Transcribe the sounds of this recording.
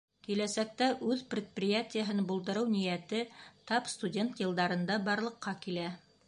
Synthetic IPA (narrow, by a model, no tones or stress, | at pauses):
kilæsæk̚t̪æʔʉðprʲɪt̪̚prʲɪjatʲɪjəɦɤnbulˠd̪ɤ̆ɾɤwnijæt̪ɘt̪ɑpst̪udʲent̪jɤ̆lˠd̪ɑɾɤ̆nd̪ɑbɑɾlˠɤ̆qːɑkilæ